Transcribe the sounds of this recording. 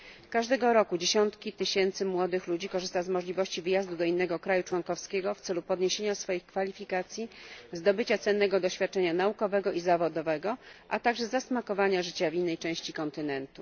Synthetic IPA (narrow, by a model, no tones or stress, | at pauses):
kaʐd̪ɛɡɔɾɔkud͡ʑeɕɔnt̪kʲit̪ɘɕɛnt̪sɘmwɔd̪ɘxlud͡ʑikɔʐɘst̪azmɔʐlʲivɔɕt͡ɕivɘjazd̪ud̪ɔinːɛɡɔkɾajut͡ʂwɔŋkɔfskʲeɡɔft̪sɛlupɔd̪ɲeɕeɲasfɔjixkfalʲifʲikat̪sʲjizd̪ɔbɘt͡ɕat̪sɛnːɛɡɔd̪ɔɕfʲjat̪̚t͡ʂɛɲanaukɔvɛɡɔʔizavɔd̪ɔvɛɡɔʔat̪aɡʐɛzasmakɔvaɲaʐɘt͡ɕavʲinːɛjt͡ʂɛ̃w̃ɕt͡ɕikɔnt̪ɘnɛnt̪u